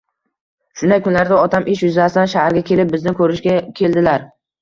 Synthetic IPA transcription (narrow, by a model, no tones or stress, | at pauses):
ʃʊnajkʰʊnlaɾd̪aɒt̪ʰamʔɪʃjʊzasɪd̪anʃahaɾɡʲakʲʰelɪp̚bɪznɪkʰɵɾɪʃɡʲakʲʰe̞ld̪ɪlaɾ